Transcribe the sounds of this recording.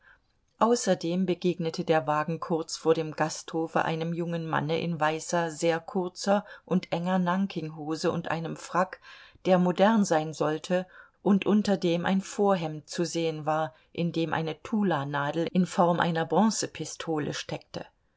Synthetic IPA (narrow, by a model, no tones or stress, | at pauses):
ʔaʊsɐdeːmbəɡeːɡnətʰədeːɐvaːɡŋ̩kʰʊɐt͡sfoːɐɾeːmɡasthoːfə̰ʔa̰ɪnəmjʊŋənma̰nəʔɪ̰nvaɪsɐzeːɐkʰʊɐt͡sɐʔʊntʔɛŋɐnaŋkʰɪŋɦoːzəʊ̰ntʔa̰ɪnəmfʁ̥akd̥eːɐmodɛɐnzaɪnzɔltʰə | ʔʊntʔʊntɐdeːmʔa̰ɪnfoːɐɦɛmt̚t͡suzeːənvaːɐ | ʔɪndeːmʔa̰ɪnətʰuːlanaːdl̩ʔɪnfɔɐmʔa̰ɪnɐbʁɔ̃ːsəpʰɪstʰoːlə̰ʃtʰɛk̚tə̰